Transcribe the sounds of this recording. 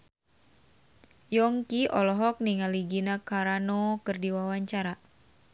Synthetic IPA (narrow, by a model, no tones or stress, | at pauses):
jɔŋkiɔlɔɦɔk̚niŋaliɡinakaɾanɔkɨrdiwawaɲt͡ʃaɾa